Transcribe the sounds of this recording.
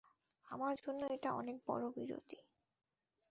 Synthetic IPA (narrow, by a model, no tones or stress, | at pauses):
amaɾd͡ʑʱonːoeʈaɔnek̚bɔ̰ɾobiɾo̰t̪i